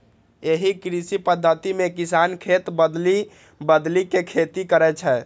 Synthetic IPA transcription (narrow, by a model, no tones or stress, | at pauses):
eɦikɾisipəd̪ʱːət̪imekisankʰet̪bəd̪li | bəd̪likekʰet̪ikəɾɛt͡ʃʰɛ